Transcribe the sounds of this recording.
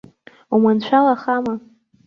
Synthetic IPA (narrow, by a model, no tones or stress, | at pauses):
umant͡ɕʷʰalaχama